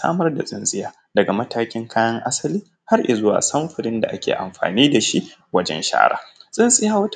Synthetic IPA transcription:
a̰ː˦mɐ˦rda̰˨sʼɪ˦nsʼɪ˦jaː˨˦ | dɐ˨ɡa˨mɐ˦tʰaː˦kʲɪ˦ŋkʰaː˦jɐ˦ŋʔa˦sɐ˦liː˦ | ha˦rʔe˨zʊ˦wa̰ː˨sɐ˦mɸɪ˨ɽɪ˦nda˨ʔa˦kʲḛː˨ʔa̰˨mɸa̰ː˨niː˦da˨ʃḭ˦ʔ | wɐ˦d͡ʒɛ̰˦nʃa̰ː˦ɽa̰ː˦sʼɪ˦nsʼɪ˦jaː˦wɐ˦t

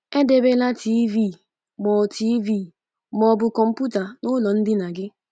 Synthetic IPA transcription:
e˦de˦be˦la˦ti˦vi˦˨ | mɔ˨tʰi˦vi˦˨ | mɔ˨bʊ˨kɔ˨m̩˦pu˦ta˨nʊ˦lɔ˨n̩˦dɪ˦na˨ɡɪ˦

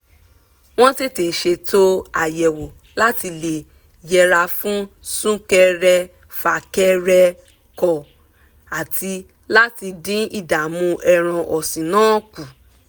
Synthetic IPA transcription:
w̃ɔ̃˦ti˦te˨ʃe˧to˦a̰˨jɛ˨wo˨ | la˦ti˧le˨ | jɛ˧ɾa˧fũ˦sũ˦kɛ˧ɾɛ˧ | fa˧˨kɛ˧ɾɛ˧ | kɔ˨ | a˨tʰi˧ | la˦ti˧dĩ˦i˦˨da˨mũ˧˦ʔɛ˧ɾ̃ã˧ʔɔ˨sĩ˨nãː˨˦ku˨

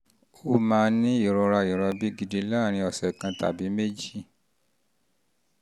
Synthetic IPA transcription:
o˧˨mãː˧˦nĩ˦i˦˨ɾɔ˧ɾa˧i˨ɾɔ˧bi˨˦ɡi˧de˧˦la˦˨ɾ̃ĩ˧ɔ˨sɛ˨kã˧ta̰˨bi˨˦me˦d͡ʒi˦˨

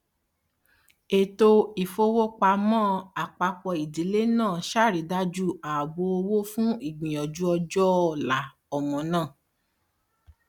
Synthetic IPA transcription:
e˨to˧i˨fo˧wo˦k͡pa˧mɔ̃˦a˨k͡pa˧k͡pɔ˧i˨di˨˦le˦nãː˦˨ʃa˦˨ɾi˨˦da˦d͡ʒu˦a˨bo˧o˧wo˦fũ˦i˦˨ɡ͡bĩ˨jɔ˨d͡ʒu˦ɔ˧d͡ʒɔ˦ɔ˦˨la˨˦ | ɔ˨mɔ̃˨nãː˦˨

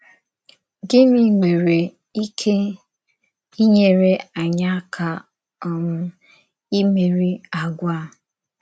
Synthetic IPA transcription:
ɡɪ˦mi˨ŋe˨ɾe˨ | i˦kʰe˦ | i˦ɲe˨ɾe˦a˨ɲa˦kʰa˨ | ɔ˨ŋʊ˦ | i˦me˨ɾi˦a˨ɡʷa˦˨

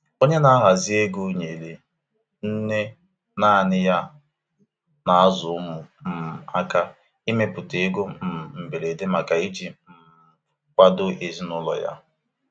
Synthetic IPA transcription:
o˦ɲe˦na˦ɦa˨zi˦e˦ɡu˦ɲe˨le˨ | n̩˦ne˦ | na˦˨nɪ˦ja˦ | na˨a˦zʊ˨˦ʊ˦mʊ˨m̩˨a˦ka˦ | i˦me˦pʊ˨te˨e˦ɡo˦m̩˨m̩˨be˨le˨de˦ma˨ka˨i˦d͡ʒi˦m̩˨ | kʷa˦do˦ʔe˨zi˦nʊ˦lɔ̰˨ja̰˦

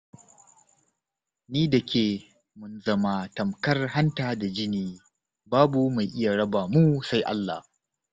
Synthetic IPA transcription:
niː˦dɐ˨kʲeː˨ | mʊ˨nzɐ˦ma˨tɐ˨mkɐ˦rha˦ntaː˨da˨d͡ʒɪ˦niː˨ | baː˦bu˨ma˨jʔɪ˦ja˨ɽɐ˦ba˨mu˦sa˦jʔa̰˦lːa̰˨h

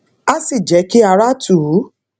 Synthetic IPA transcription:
a˦si˦˨d͡ʒɛ˨˦ki˦a˧ɾa˦tu˨˦

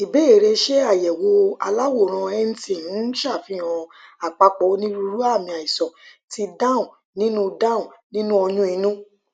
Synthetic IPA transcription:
i˨be˦e˨ɾe˧ʃe˦a˦˨jɛ˨wo˧˦a̰˧la˦wo˦˨ɾ̃ã˧ɛ˦n̩˦ti˦˨ñ̩˨˦ʃa˦˨fĩ˦ã˧a˨k͡pa˧k͡pɔ˨˦nĩ˦ɾu˧ɾu˦a˦˨mĩ˧a˨i˨sɔ˨ | ti˧dã˦ũ˨ | nĩ˦nũ˦dã˦˨ũ˨nĩ˦nũ˦ɔ˧jũ˦i˧nũ˦

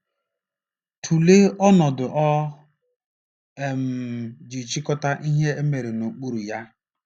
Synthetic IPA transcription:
tʰu˨le˦ɔ˦nɔ˨dʊ˨ʔɔ˦ | e˨m̩˨d͡ʒi˨t͡ʃi˦kɔ˦ta˦ʔi˦ɦe˦e˦me˨ɾe˨nu˨k͡pu˦ɾu˨ja˦

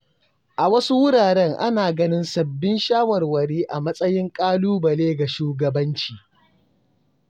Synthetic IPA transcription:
ʔa˨wɐ˦su˦wʊ˦ɽaː˨ɽɛ˦ŋʔa˦naː˨ɡɐ˦nɪ˦nsɐ˨bːɪ˦nʃaː˦wɐ˨rwɐ˨ɾiː˦ʔa˨mɐ˦sʼɐ˦jɪ˦ŋkʼaː˦luː˦bɐ˨leː˦ɡa˨ʃuː˦ɡɐ˨bɐ˦nt͡ʃiː˨

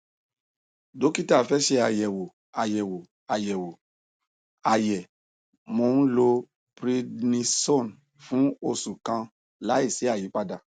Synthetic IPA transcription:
do˨˦ki˦ta˦˨fɛ˦ʃe˧a˨jɛ˨wo˨ | a˨jɛ˨wo˨ | a˨jɛ˨wo˨ | a˨jɛ˨ | mo˧˦ñ̩˦lo˧ | pɾi˧dnĩ˧sɔ̃˦˨n | fũ˨˦o˧˨sũ˨kã˧ | la˨˦i˦˨si˨˦a˦˨ji˨˦k͡pa˦da˧

